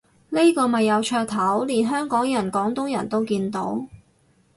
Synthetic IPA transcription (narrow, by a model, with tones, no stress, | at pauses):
li˥kɔː˧mɐ˨jːɐ˨˧wt͡ʃʰœː˧k̚t̪ʰɐ˨˥wliː˨˩nɦœː˥ŋkɔː˨˥ŋjɐ˨˩nkɔː˨˥ŋt̪ʊ˥ŋjɐ˨˩nt̪o˥wkiː˧nt̪o̰˨˥w